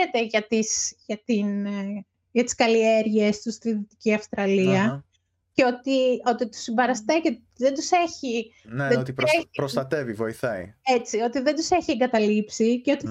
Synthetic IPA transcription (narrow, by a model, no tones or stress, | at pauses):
et̪e̞ʝɐt̪isʝɐt̪in | ʝɐt̪i̥skɐlieɾʝe̞st̪ust̪iðit̪i̥ciɐfst̪ɾɐliɐ | ceo̞t̪io̞t̪it̪u̥simbɐɾɐst̪eʝet̪t̪iðend̪use̞çi | neeot̪ipɾepɾost̪ɐt̪e̞vivo̞iθɐḭet͡sio̞t̪iðed̪use̞çieŋɡɐt̪ɐlipsiceo̞t̪i